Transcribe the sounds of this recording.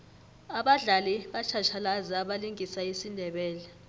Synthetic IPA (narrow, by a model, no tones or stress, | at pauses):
aɓaɮaliɓat͡ʃʰat͡ʃʰalazaaɓaliŋɡʱisaisindʱɛɓɛːlɛ